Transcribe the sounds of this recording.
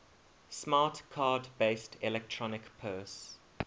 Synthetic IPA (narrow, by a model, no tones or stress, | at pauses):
smɑːtkʰɑːdbeɪstʰɛlɛk̚tʰɹ̥ɔnɪkpʰɜːs